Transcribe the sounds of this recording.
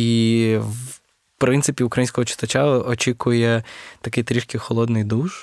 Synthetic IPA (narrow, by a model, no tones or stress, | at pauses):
iw | pɾɪnt̪sɪpʲiʊkɾɐjinʲsʲkɔɦɔt͡ʃɪ̥t̪ɐt͡ʃaɔt͡ʃʲikʊjɛt̪ɐkit̪ɾʲiʃkixɔlˠɔd̪nɪjd̪uʒ